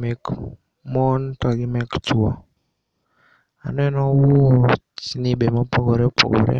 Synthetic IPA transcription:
mɛk | mɔntɔɡimɛkt͡ʃwɔ | a̰nɛnɔwot͡ʃinibemɔpʰoɡɔɾɛpo̰ɡɔ̰ɾɛ̰

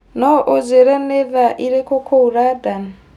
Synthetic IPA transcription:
nɔʔɔd͡zɛɾɛnɛðaʔiɾɛkʰɔkʰouɾadan

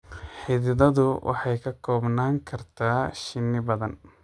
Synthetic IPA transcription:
ħɪðɪðɐðʊwʔɑ̰ħɑjkʰɐkʰɔːbnaːŋkʰɐrt̪ʰaːʃɪnːɪbɐðɐn

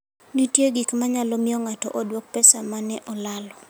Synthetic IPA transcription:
nitjeɡikmaɲalɔmioŋatɔ̰ʔodwok̚pɛsamanɛʔɔlalɔ

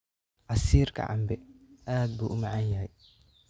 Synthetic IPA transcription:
ʕɑsiːrkʰɐ̰ʕɑ̰mbɛaːd̪̚buːʔʊmɑʕɑnjɐɦɛj

